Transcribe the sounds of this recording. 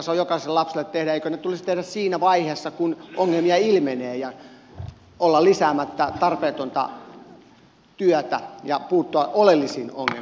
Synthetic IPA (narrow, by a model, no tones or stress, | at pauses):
seojokɑiselelɑpselːˑet̪t̪ehɾæeikønet̪ulist̪ehdæssiːnæʋɑiheːsːɑkunʔoŋːelmiɑilmeneːjɑ | olːɑllisæːmæt̪ːæt̪ɑrpeːt̪ont̪ɑ̰ | t̪yœt̪æ̰jɑpuːt̪ːoɑʔolelːisiːno̰ŋːḛl